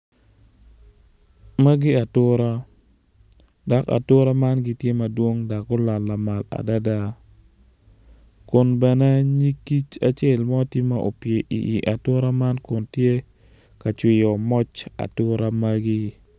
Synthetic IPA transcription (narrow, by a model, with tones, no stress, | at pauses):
ma˦ɡi˦a˨tʊ˦ɾa˦ | da˨ka̰˨tʊ˦ɾa˦ma˦nɡi˦tje˦mɐ˨dwo˦ŋda˨ko˦la˨lːa˨ma˨la̰˨da˦da˦ | kʊ˨nbɛ˨nɛ˦ɲi˦kːi˦t͡ʃa˨t͡ʃe˦˨lmɔ˦ti˦ma˦ʔo̰˨pje˨ʔḭ˨ʔi˨ʔa˨tʊ˦ɾa˦ma˦nkʊ˨ntje˦ | ka˨t͡ʃwɪ˨jɔ˨mɔ˦t͡ʃa̰˨tʊ˦ɾa˦ma˦ɡi˦